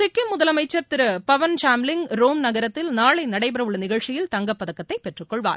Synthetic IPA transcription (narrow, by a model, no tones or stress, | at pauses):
t͡ʃɪkːɯmːʊðɐlɐmɐɪt͡ʃːɐɾt̪ɪɾɯpɐʋɐnʂaːmlɪŋɡɾoːmnɐɣɐɾɐt̪ːɪlnaːɭɐɪnɐɽɐɪbɐɾɐʋɯɭːɐnɪɣɐɭt͡ʃɪjɪlt̪ɐŋɡɐpːɐðɐkːɐt̪ːɐɪpːɛʈrɯkːɔɭʋa̰ːɾ